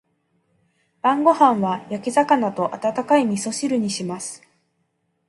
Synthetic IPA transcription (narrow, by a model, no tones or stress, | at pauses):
b̥ãŋɡo̞hãɰ̃βajakʲizakanat̪o̞ʔat̪at̪akaimʲiso̞ɕiɾɯ̟ɲ̟iɕimasɨ̥